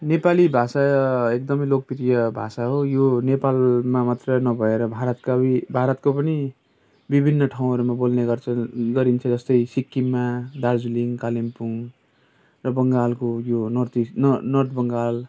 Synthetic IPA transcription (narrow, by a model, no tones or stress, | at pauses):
nepalibʱasaek̚d̪ʌmʌjlok̚piɾijʌbʱa̰saɦojonepalmamat̪rʌnʌbʱʌeɾʌbʱaɾʌt̪kaibʱaɾʌt̪kopʌni | bibʱinːʌʈʰaw̃ɦʌɾumabolneɡʌrt͡sʰʌɡʌɾint͡sʰʌd͡zʌst̪ʌjsikːimːad̪ad͡zuliŋkalimpuŋ | rʌbʌŋɡalkojonʌrt̪inʌrt̪ʰbʌŋɡal